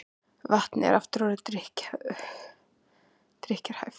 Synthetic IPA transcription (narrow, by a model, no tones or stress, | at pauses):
vaht̪nɪɛ̰ɾaft̪ʏɾɔːɾɪt̪ɾɪhc | t̪ɾɪhcaɾ̥hajf